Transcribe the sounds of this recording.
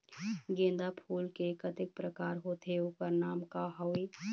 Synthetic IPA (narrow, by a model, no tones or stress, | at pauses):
ɡẽːnd̪apʰuːlkekəd̪ɪk̚pɾəkaːɾɦot̪euːpəɾnaːmkaɦɔwi